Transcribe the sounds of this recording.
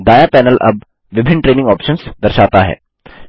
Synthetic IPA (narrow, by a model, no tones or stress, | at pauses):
d̪aːjapɛːnəlʔɐ̰b̚ | ʋɪbʱɪnːʈɾeːnɪ̃ŋɡɔːpʃənsd̪ɐɾʃaːt̪aɦɛ̰ː